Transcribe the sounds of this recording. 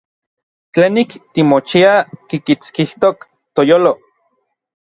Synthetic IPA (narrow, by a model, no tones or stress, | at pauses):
t͡ɬeːnikt̪imot͡ʃiakikit͡skiht̪ok | t̪ojoːlo